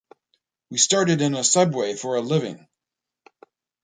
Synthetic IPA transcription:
wistɑɹɾɨɾɨ̃nəsʌdweɪfə˞əlɪvɪ̰̃ŋ

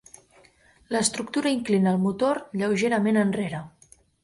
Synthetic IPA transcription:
ləst̪ɾuk̚t̪uɾəiŋklinəːlˠmut̪oɾʎəwʒeɾəmenənreɾə

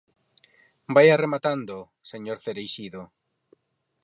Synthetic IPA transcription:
bajaremat̪and̪o | seɲoɾθeɾejʃiðo

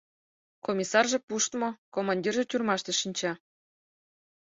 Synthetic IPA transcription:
komʲisɑrʒĕpuʃt̪mokomɑnʲdʲirʒĕtʲurmɑʃt̪ĕʃinʲt͡ɕɑ

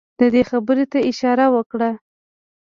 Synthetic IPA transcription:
d̪̥əd̪exabəɾet̪aɪʃɑɾawəkɽa

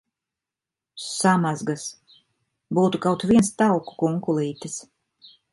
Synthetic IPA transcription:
samazɡas | buːt̪ukawt̪viɛnst̪awku̥kuŋkulˠiːt̪ɨs

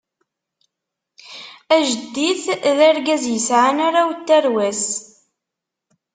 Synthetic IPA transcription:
æʒəd̪ːiθðæɾɡæzjəsʕanaɾawt̪ːæɾwæs

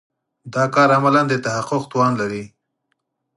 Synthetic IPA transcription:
d̪ɑkɑɾamaland̪ət̪ahaqʊq̚t̪wɑnlaɾi

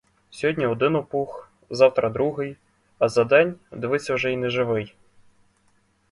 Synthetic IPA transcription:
sʲɔɦɔdʲnʲiɔd̪ɪnɔpux | zɑwt̪ɾʔɐd̪ɾuɦɪj | ɐzɐd̪ɛnʲd̪eʋɪt͡sʲːɐwʒɛinɛʒɪʋɪj

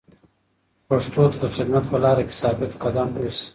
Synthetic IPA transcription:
paʂʈot̪ad̪əxɪd̪mat̪pəlɑɾake̥sɑbɪt̪qad̪ɑmis

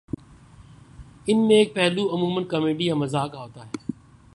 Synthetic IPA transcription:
ɪn̤mẽːk̚pɛɦluɐmuːmənkɐmeːɖijãːmɐzaːkaːɦoːt̪aːɦeː

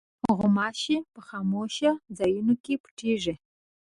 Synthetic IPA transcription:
ʁʷʊmaːʃiːpʰɨχɑmoʃɐzɐjunukʼiːpʰʈ͡ʂʰiːʒɪ

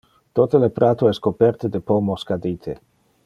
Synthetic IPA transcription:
t̪ot̪elepɾat̪oɛskopɛrt̪ed̪epomoskad̪iːt̪ʰe

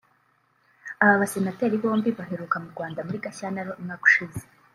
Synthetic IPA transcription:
aβaβase̞nate̞ːɾiβo̞ːmbiβaɦe̞ɾukamuɾɡwaːndamuɾiɡaçaːnaɾoimŋaːku̥ʃize̥

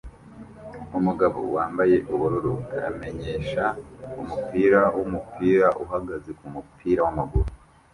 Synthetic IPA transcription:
umuɡaβo̰waːmbaje̞ʔuβuɾuɾua̰me̞ɲe̞ːʃaumupiːɾawʔumupʰiːɾaʔuɦaɡaze̞kumupʰiːɾawamaɡuɾu

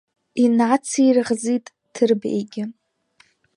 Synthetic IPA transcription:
inat͡sʰirʁzitʼ | dʰɨrbḛjɡʲɪ

